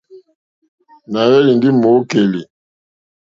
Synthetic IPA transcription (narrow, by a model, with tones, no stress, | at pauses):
na˨jɛ˦li˨ndi˦mo˨˦ke˨li˨